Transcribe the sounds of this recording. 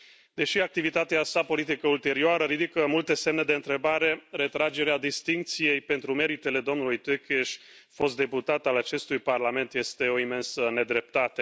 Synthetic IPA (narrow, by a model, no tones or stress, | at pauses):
d̪e̞ʃiak̚t̪ivit̪at̪easapo̞lit̪ikəult̪e̞ɾioaɾəɾid̪ikəmult̪e̞se̞mne̞d̪e̞ɨnt̪ɾe̞baɾe̞ɾe̞t̪ɾad͡ʒe̞ɾead̪ist̪iŋk̚t̪sije̞jpe̞nt̪ɾume̞ɾit̪e̞le̞d̪o̞mnulujt̪ekeʃʲ | fo̞s̬t̪d̪e̞put̪at̪alat͡ʃe̞st̪ujparlame̞nt̪je̞st̪e̞o̞ime̞nsəne̞d̪ɾe̞p̚t̪at̪e̞